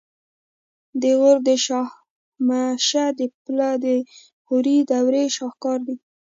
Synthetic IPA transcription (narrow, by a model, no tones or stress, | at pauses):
d̪əɣʊɾd̪əʃɑh | maʃad̪əplɑd̪ə | xuɾid̪awɾeʃɑxkɑɾd̪i